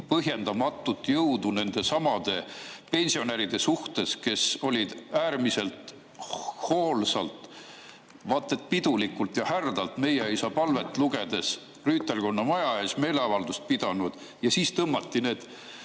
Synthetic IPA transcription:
pɤɦje̞nd̪̥ɑmɑt̪ːˑut̪ːˑjɤwd̪une̞nd̪̥e̞sɑmɑd̪̥e̞pe̞nʲsio̞næɾid̪̥e̞suht̪e̞ske̞so̞lʲid̪̥æːrmise̞lt̪ | hoːlsɑlt̪ˑ | vɑt̪ːˑe̞t̪̚pid̪̥ulikːult̪jɑhærd̪̥ɑlt̪me̞jeisɑpɑlve̞t̪ːˑluɡ̥e̞d̪̥e̞s | ryːt̪ːelko̞nːɑmɑjɑeːsme̞ːle̞ɑvɑld̪ust̪̚pid̪̥ɑnud̪̥ | jɑsiːst̪ɤmːɑt̪ːine̞ːd̪̥

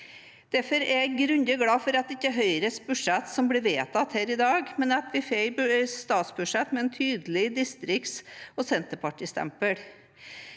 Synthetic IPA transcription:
d̪̥æɾfɔɾɛɡɾʉnd̪əɡɽɑːfɔɾɑt̪d̪ɪçːəɦœʏɾəsbʉʂɛt̪sɔmbliːʋeːt̪ɑt̪hæːɾɪd̪ɑːɡmɛnɑt̪ʋɪfesst̪ɑːt̪sbʉʂɛt̪mɛɛːnt̪ʰyːd̪əlɪd̪ɪst̪ɾɪksoːsɛnt̪əpʰɑʈiːst̪ʰæ̰mpəɽ

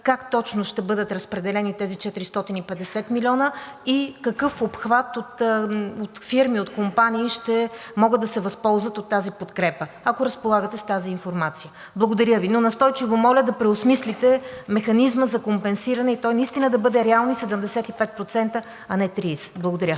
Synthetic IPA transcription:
kakt̪ɔt͡ʃnoʃt̪ɛbɤd̪ət̪ɾəspɾɛd̪ɛlɛnit̪ɛzit͡ʃɛt̪ɾist̪ɔt̪inipɛd̪ɛsɛt̪milʲɔnəikɐkɤfopxvat̪ot̪ot̪fiɾmiot̪kompaniːʃt̪ɛmɔɡəd̪ːɐsɛvɐspɔlˠzvɐt̪ot̪ːazipot̪kɾɛpə | ɐkoɾɐspolˠaɡət̪ɛst̪aziːnfoɾmat̪sijə | blˠɐɡod̪ɐɾʲəvinonɐst̪ɔjt͡ʃivomɔlʲəd̪ɐpɾɛosmislʲit̪ɛmɛxɐnizməzɐkompɛnsiɾɐnɛit̪ɔjnɐist̪inəd̪ɐbɤd̪ɛɾɛalˠnisɛd̪əmd̪ɛsɛt̪ipɛt̪̚pɾot̪sɛnt̪ə | ɐnɛt̪ɾisblˠɐɡod̪ɐɾʲjə

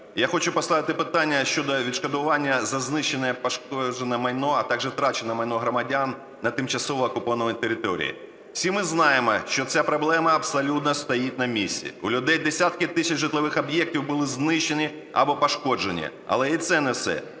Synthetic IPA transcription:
jaxɔt͡ʃʊpɔst̪ɑʋɪt̪ɪpɪt̪anʲːɐʃt͡ʃɔd̪ɔʋʲid̪ʃkɔd̪ʊʋɑnʲːɐzɐznɪʃːenɛɛpɐʃkɔd͡ʒenɛmɐjnɔɐt̪ɑɡʒɛt̪ɾɑt͡ʃenɛmɐjnɔɦɾɔmɐdʲanː | ɐt̪ɪmt͡ʃɐsɔʋɔːkʊpɔʋnɔʋnʲt̪eɾʲɪt̪ɔɾʲḭjḭ̥ | sʲimɪznɑjemɔʃt͡ʃɔt͡sʲapɾɔblˠɛmɐɐbsɐlʲut̪̚nɔst̪ɐjitʲnɐmʲisʲːḭʊlʲʊd̪ɛjd̪esʲat̪̚kɪt̪ɪsʲɐt͡ʃʒɪt̪lˠɪʋɪxɐbjɛk̚tʲiwbʊlˠɪznɪʃːenʲi | ɐ̰bɔpɐʃkɔd͡ʒenʲḭɐ̰lˠɛit̪sɛnɛwsɛ̰

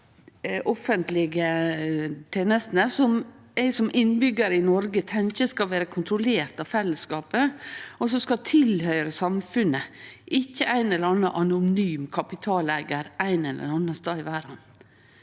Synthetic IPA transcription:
ʔɔfənt̪lɪɡə | t̪ʰeːnəst̪nəsɔm | æɪsɔmʔɪnːbʏɡəɾəɪnɔɾɡət̪ʰɛŋkəskɑʋeːɾəkʰʊnt̪ɾʊleːɾt̪ɑʋfɛlːəskɑːpəɔsɔskɑt̪ʰɪlhœʏɾəsɑmfʉnəʔɪçːəʔæɪnɛlːəɾɑnːəʔɑnʊnyːmkʰɑpɪt̪ʰɑːlæːɡəɾʔæɪnɛlʔə̰ɾɑnːəst̪ɑːɪʋæːɾɑn

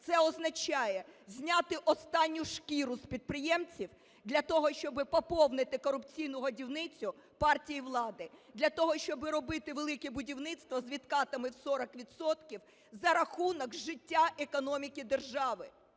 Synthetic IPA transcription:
t̪sɛɔznɐt͡ʃɑjɛzʲnʲat̪ɪʔɔst̪ɑnʲːʊʃkʲiɾʊspʲid̪̚pɾɪjɛmt͡sʲiw | d̪lʲɐt̪ɔɦɔʃt͡ʃɔbɪpɔpɔwnɪt̪ɪkɔɾʊpt͡sʲijnʊɦɔdʲiwnɪt͡sʲʊ | pɑrtʲijiʋlˠɑd̪ɪd̪lʲɐt̪ɔɦɔʃt͡ʃɔbɪɾɔbɪt̪ɪʋelˠɪkɛbʊdʲiwnɪt̪st̪ʋɐzʋʲit̪kɑt̪ɐmɪwsɔɾɐkʋʲid̪sɔt̪kʲiw | zɐɾɐxunɔkʒɪtʲːaʔekɔnɔmʲikʲid̪erʒɑʋɪ

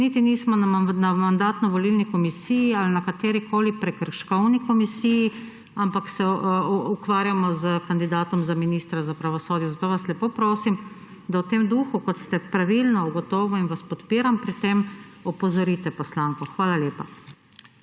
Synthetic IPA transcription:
nit̪inismɔnamand̪aːt̪nɔʋɔlilnikɔmisijialnakat̪eːɾikoːlipɾɛkəɾʃkɔwnikɔmisiːji | ampaksɛukʋaːɾjamɔzəkand̪id̪aːt̪ɔmzaminiːst̪ɾazapɾaʋɔsoːd̪jɔzat̪oːʋaslɛpoːpɾoːsim | d̪awt̪eːmd̪uːxukɔt̪st̪ɛpɾaʋilnɔuɡɔt̪ɔːʋɔinʋaspɔt̪piːɾampɾit̪emɔpɔzɔɾiːt̪ɛpɔslaːŋkɔxʋaːlaleːpa

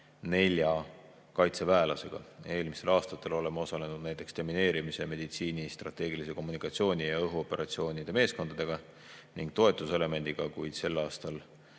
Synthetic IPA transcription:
ne̞lʲjɑ | kɑjt̪se̞væelɑse̞ɡ̥ɑ̰e̞ːlmise̞lɑːst̪ɑt̪ːˑe̞lo̞le̞mːɑo̞sɑle̞nud̪̥næjt̪ːˑe̞kst̪emːine̞ːɾimise̞me̞d̪̥it̪siːnist̪rɑ̰t̪ːe̞ːɡ̥ilise̞ko̞mːunikːˑɑt̪sio̞ːnʲijɑɤɦuo̞pe̞ɾʔɑt̪sio̞ːnʲid̪̥e̞me̞ːsko̞nd̪ɑd̪̥e̞ɡ̥ɑ | niŋɡ̥̚t̪o̞e̞t̪ːˑuse̞le̞me̞nd̪̥iɡ̥ɑkujd̪̥se̞lːɑːst̪ɑl

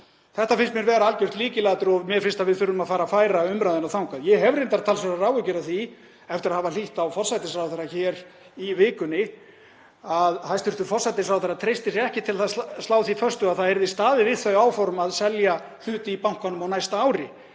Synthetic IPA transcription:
θɛht̪afɪnst̪mjɛɾvɛːɾaalcʏr̥t̪liːcɪlaːat̪ʏɾɔmjɛfɪnst̪avɪðfʏɾːʏmaðfaːɾafaːjɾaʏmɾajðɪnaθawŋkaðjɛhɦɛvrɪnt̪aɾt̪ʰalsvɛɾaraːwʏcɪɾaθi | ɛft̪ɪɾaðhaːvaliht̪awfɔr̥sajt̪ɪsfɾawθɛɾːaçɛːɾ | ivɪːkʏnːɪ | aðhajst̪ʏɾ̥t̪ʏɾ̥fɔrsajt̪ɪsɾawθɛɾat̪ʰɾejst̪ɪsɛhcɪt̪ʰɪlθaðslaːwθifœrst̪ʏaðθaðɛɾðɪst̪aːðɪvɪðθœɥaːwfɔɾmaðsɛlja | l̥ʏːt̪ɪipawŋ̥kanʏmawnajst̪aaːwɾɪ

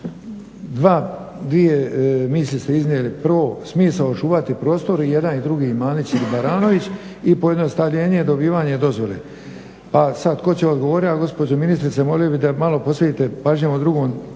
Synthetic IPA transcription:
d̪ʋaː | d̪ʋije̞mislist̪e̞iznjeliprʋo̞smiːsaot͡ʃuːʋat̪ipɾo̞ːst̪o̞ɾije̞d̪anid̪ɾuɡiːmaːnit͡ɕilibaɾaːno̞ʋit͡ɕ | ipoje̞d̪nost̪aʋʎe̞ːɲeed̪o̞biːʋaːɲe̞d̪o̞zʋo̞lḛ | pasad̪ko̞t͡ɕeod̪ɡoʋoːɾiaɡo̞spo̞d͡ʑominist̪ɾit̪semo̞liobid̪amalo̞po̞set̪iːt̪e̞paʒɲemod̪ɾuɡoːn

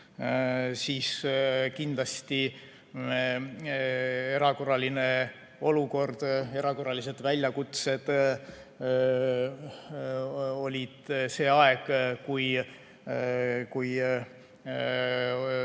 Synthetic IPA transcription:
siːskind̪lɑst̪i | e̞ɾɑko̞rɑline | o̞luko̞rd̪̥e̞ɾɑko̞rːɑlise̞d̪̥vælʲjɑkut̪se̞d̪̥ | o̞lʲid̪̥se̞ːɑe̞ɡ̥kuj | kuj

